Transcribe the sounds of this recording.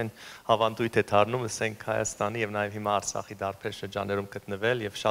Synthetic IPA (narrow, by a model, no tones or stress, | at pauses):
ɛnhɑvɑnd̪ujt̪ʰɛd̪ʰɑɾnuməsɛŋkʰhɑjɑ̰st̪ɑnijɛvnɑjɛvhimɑːɾt͡sʰɑ̰χid̪ɑrpʰɛɾʃəɾd͡ʒɑnːɛɾumɡət̪nəvɛljɛvʃɑ